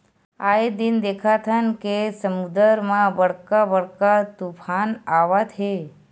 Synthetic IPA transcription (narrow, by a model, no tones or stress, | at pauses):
aed̪ind̪ekʰat̪ʰənkesəmud̪əɾmãbəɽkabəɽkat̪upʰanaʋat̪ʰe